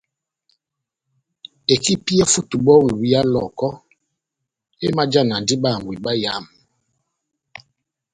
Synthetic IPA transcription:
e˨ki˦pi˦ɛ˦fu˦tu˨ɓɔ˦wi˨wi˦a˦lɔ̰˨kɔ˦ | e˦ma˦d͡ʒa˦˨na˨ndi˦ɓa˦˨ŋ˨wi˨ɓa˦ja˦˨m

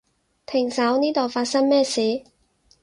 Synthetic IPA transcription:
t̪ʰɪ˨˩ŋsɐ˨˥wniː˥t̪o˨wfaː˧t̚sɐ˥ŋmɛː˥siː˨˥

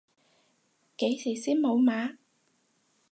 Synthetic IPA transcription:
ke˨˥jsi˨˩siː˦˥nmo˨˧˩wmaː˨˥˦

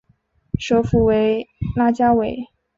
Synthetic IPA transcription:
ʂɤ˧˥fu˨˩we˧˥ɪla˥t͡ɕja˥we˨˩ɪ

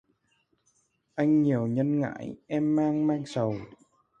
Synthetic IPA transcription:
ʔa˧jŋ̟ɲi˨˩əwɲə˧nŋa̰ː˧˥˦jʔɛ˧mːaː˧ŋmaː˧ŋsə˨˩w

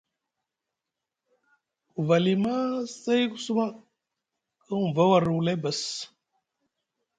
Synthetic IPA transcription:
ku˨va˨li˨ma˦sa˦jku˦su˦ma˦ | kə˦n˨va˦wa˨ɾu˨u˨la˦ba˨s

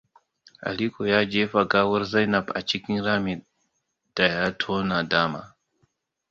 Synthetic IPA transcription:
a̰˨li˦ko˨ja˦d͡ʒe˦fa˨ɡa˦wɐ˦ɾza˦jna˨ba̰˨t͡ʃi˦ki˦ŋɾa˦mi˨ | d̥a˨ja˦tʰo˦na˨daː˦ma̰˨

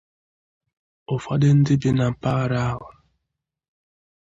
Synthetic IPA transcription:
ʊ˨fa˦dɪ˦n̩˦dɪ˦bɪ˦na˨m̩˨pa˦ɾa˦a˦ɦʊ˨

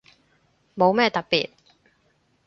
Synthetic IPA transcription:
mo˨˧wmɛː˥t̪ɐ˨k̚pḭː˨t̚

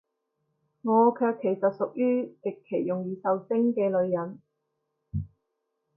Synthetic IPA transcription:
ŋɔː˨˧kʰœː˧kʰːe˨˩jsɐ˨t̚sʊ˨k̚jyː˥t̪ɪ˨kʰːe˨˩jːʊ˨˩ŋjiː˨˧sɐ˨wsɪ˥ŋkɛː˧lɵ˨˧ɥjɐ˨˩n

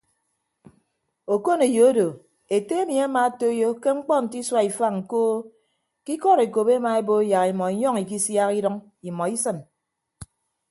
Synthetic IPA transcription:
o˨ko˦ne˨jo˨˦do˨ | e˨te˦e˦mi˨a˦ma˨˦to˦jo˦ke˦ŋ͡m̩˦k͡pɔ˦n̩˨ti˦swa˦i˨fa˦ŋŋ̩˨koː˦ | ki˦kɔ˦˨ɾe˨ko˨be˦ma˨e˦bo˦ja˨ɣi˨mɔ˨i˨ɲɔ˦ŋi˨ki˦sja˦ki˦dɔ˦ŋ | i˨mɔ˨i˦sɨ˨m

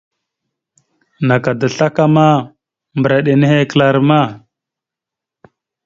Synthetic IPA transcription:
na˨ka˨da˨ɬa˦ka˦ma˦ | mbə˨ɾa˨ɗe˨ne˦he˦kə˦la˦ɾma˦˨

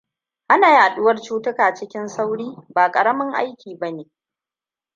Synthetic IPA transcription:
ʔa˦naː˨jaː˨ɗʊ˦wɐ˦rt͡ʃuː˦tʊ˦kaː˨t͡ʃɪ˦kʲɪ˦nsa˦wɽiː˦baː˨kʼɐ˨ɽɐ˦mɐ˦ŋʔa̰˦jkʲiː˨bɐ˦neː˨

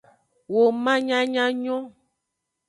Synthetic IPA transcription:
wo˨mã˦ɲã˦ɲã˦ɲɔ̃˦

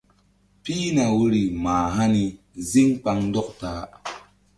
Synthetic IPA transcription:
pi˦na˨wu˦ɾi˨maː˨ɦa˦ni˧ | zi˦ŋk͡pa˧ŋdɔ˦k̚taː˨˦

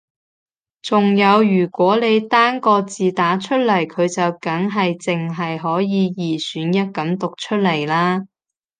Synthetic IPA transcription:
t͡sʊ˨ŋjɐ˨˧wjyː˨˩kwɔː˨˥ne˨˧jt̪aː˥ŋkɔː˧t͡siː˨t̪aː˨˥t͡ʃʰɵ˥t̚lɐ˨˩jkʰɵ˨˧ɥt͡sɐ˨wkɐ˨˥ŋɦɐ˨jt͡sɪ˨ŋɦɐ˨jɦɔː˨˥jiː˨˧jiː˨˩syː˨˥njɐ˥t̚kɐ˨˥mt̪ʊ˨k̚t͡ʃʰɵ˥t̚lɐ˨˩jlaː˥

